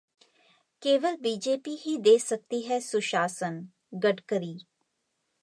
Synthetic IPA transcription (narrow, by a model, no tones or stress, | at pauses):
keːʋəlbiːd͡ʒeːpiɦid̪eːsɐk̚t̪iɦɛsʊʃaːsən | ɡəɖkəɾiː